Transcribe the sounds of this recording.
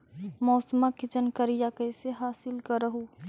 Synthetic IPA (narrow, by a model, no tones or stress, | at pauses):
mɔːsmakɪt͡ʃənkəɾɪjakəjseɦaːsɪlkəɾəɦoː